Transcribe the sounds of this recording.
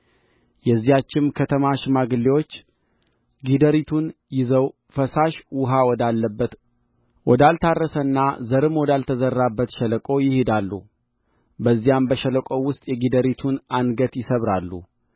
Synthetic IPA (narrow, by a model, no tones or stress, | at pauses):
jɛzːijat͡ʃːɪmkʰət̪ʰəmaʃɪmaɡɨlːewo̞t͡ʃː | ɡid̪əɾit̪ʰun | jɪzəw | fəsaʃwʊɦawɔd̪alːəbːət̪ | wɔd̪alt̪ʰarːəsənːa̰zəɾɨmwɔd̪alt̪ʰəzərːabːət̪ʃɛləkʼo̞jɪhed̪alːṵ | bəzːijambəʃələkʼo̞wʊst̪ʼjɛɡid̪əɾit̪ʰunanɡət̪jɪsəβɾalːṵ